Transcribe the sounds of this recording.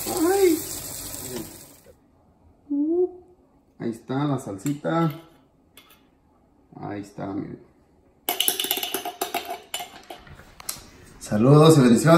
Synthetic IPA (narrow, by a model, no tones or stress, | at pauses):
aaj | e | a̰ist̪alasalsit̪a | a̰ist̪a̰mḛ | saluðosiβend̪isjo